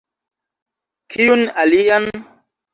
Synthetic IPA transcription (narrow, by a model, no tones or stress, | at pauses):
kʰijunalijan